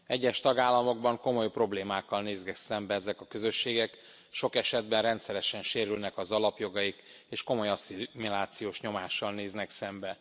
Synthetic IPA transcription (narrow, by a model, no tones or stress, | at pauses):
ɛɟːɛʃt̪ɒɡaːlːɒmo̞ɡ̚bɒŋko̞mo̞jpro̞bleːmaːkːɒlneːzɡɛksɛmbɛɛzɛkɒkøzø̞ʃːeːɡɛk | ʃo̞kɛʃɛd̪̚bɛnrɛnt̪sɛɾɛʃɛnʃeːɾylnɛkɒzɒlɒpjo̞ɡɒjik | eːʃko̞mo̞jɒsimilaːt̪sijoːʃɲo̞maːʃːɒlneːznɛksɛmbɛ